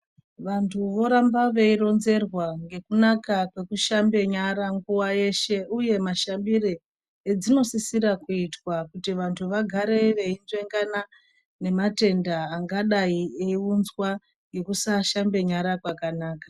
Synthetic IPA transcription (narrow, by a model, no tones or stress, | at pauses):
ʋantʰuʋo̞ɾambaʋe̞iɾo̞nze̞rwaŋɡe̞kunakakwe̞kuʃambe̞ɲaɾaŋɡuwaje̞ʃe̞uje̞maʃambiri | ed͡zino̞sisiɾakuitwakutiʋantʰuʋaɡʱaɾe̞ʋe̞inzwe̞ŋɡana | ne̞mate̞ndaːŋɡaɗaieiunzwa | ŋɡe̞kusaʃambe̞ɲaɾakwakanaːkḁ